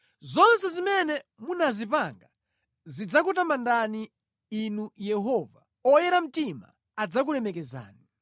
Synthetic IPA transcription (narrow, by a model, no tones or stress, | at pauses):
zɔnsɛzimɛnɛmunazipaŋɡa | zid͡zakutamandani | inujɛɦɔva̰ | ɔjɛɾam̩tima̰ | ad͡zak̬ulɛmɛkɛza̰ːni